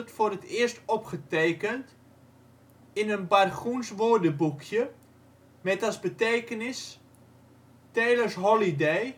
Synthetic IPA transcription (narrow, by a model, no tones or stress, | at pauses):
tfʊrətɪərstɔpχəteːkənt | ɪnənbarχunsʋoːrdəbukʰjə | mɛtasbəteːkənɪs | teːlərsɦɔlidej